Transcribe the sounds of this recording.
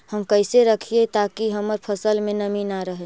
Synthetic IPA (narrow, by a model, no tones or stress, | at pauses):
həmkəɪseɾəkʰiet̪akiɦəməɾpʰəsəlmẽnɐminaɾəɦe